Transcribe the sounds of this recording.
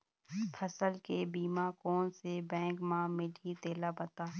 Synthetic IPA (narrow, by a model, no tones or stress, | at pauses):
pʰəsəlkebiːmãkɔːnsebɛ̃ːŋkmãmɪlʱit̪eːlabɐt̪aː